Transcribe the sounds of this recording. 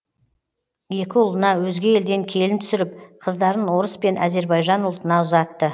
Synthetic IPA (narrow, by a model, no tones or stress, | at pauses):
je̞kʲɪʊlˠənɑwɵzɡʲe̞e̞ld̪e̞ŋkʲʰe̞lɪnt̪ʰʏ̥sɪɾɪp̚qʰəzd̪ɑɾənwo̞ɾəspe̞nʔæ̰ze̞ɾbɑjʒɑnʊlˠt̪ənɑʊzɑt̪ːə